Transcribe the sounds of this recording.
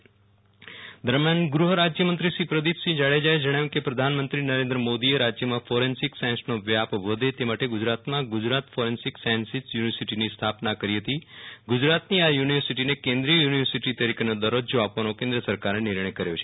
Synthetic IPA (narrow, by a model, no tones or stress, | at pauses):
d̪əɾmjanɡɾuɦəɾad͡ʒjəmə̃nt̪ɾiʃipɾəd̪it̪ʃĩd͡ʒaɭed͡ʒajd͡ʒəɽ̃ajũkepɾəd̪ʱanmənt̪ɾinəɾẽnd̪ɾəmod̪ieɾad͡ʒjəmãfoɾensɪksansnoʋjapʋəd̪ʱet̪emaʈeɡʊd͡ʒɾat̪mãɡud͡ʒɾat̪foɾensɪksansisjuniʋəɾsiʈinist̪ʰapnakəɾiɦət̪iɡud͡ʒɾat̪niajuniʋəɾsiʈinekẽnd̪ɾijəjuniʋəɾsiʈit̪əɾikenod̪əɾod͡ʒoapʋanokẽnd̪ɾəsəɾkaɾenɪɾɳəjkəɾjo̰t͡ʃʰe̥